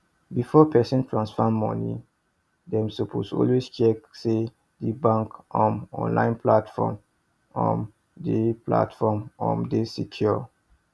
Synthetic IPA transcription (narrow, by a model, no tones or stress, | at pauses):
bifɔpʰɛsɔ̃ntʰɹãnsfɔmːɔ̰nḭ | dɛ̃msupʰosɔ̰lwest͡ʃɛkse | dibãŋkʔɔ̃nɔ̰̃nlã̰ɪ̃npʰlatfɔ̰m | ɔ̰̃n | dipʰla̰tfɔmɔ̰̃mdesikʰjɔ